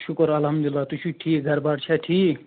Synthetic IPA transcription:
ʃʊkɾɐlɦɐmd̪lilːaːt̪uʃʰuʈʰiːkɡʱɐɾbaːʈt͡ʃʰaʈʰiːk

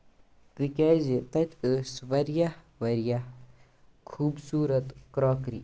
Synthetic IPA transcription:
t̪ikɛːzet̪ɐt̪ʲəːsʋɐɾjah | ʋɐɾjah | kʰuːbsuːɾɐt̪kɾɔːkɾḭ

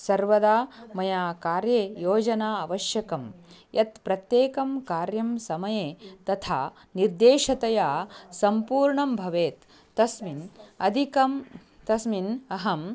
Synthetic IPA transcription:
sɐɾʋɐd̪aːmɐjaːkaːɾjɐjoːd͡ʒɐnaːɐʋɐʃjɐkɐmjʔɐt̪pɾɐt̪jeːkɐmkaːɾjɐmsɐmɐjeːt̪ɐt̪ʰaː | niɾd̪eːʃɐt̪ɐjaːsɐmpuːɾɳɐmbʱɐʋeːt̪ː | ɐsminɐd̪ʱikɐm | t̪ɐsminɐɦɐm

